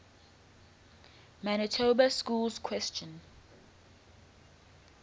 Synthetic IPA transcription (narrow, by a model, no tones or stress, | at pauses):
manətʰobaskuːlzkʰwɛst͡ʃə̃n